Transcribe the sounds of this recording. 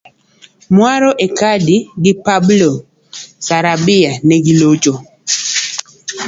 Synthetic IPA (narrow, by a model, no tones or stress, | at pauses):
mwaɾɔʔekadiɡɪpablo | saɾabɪanɛɡɪlod͡ʒo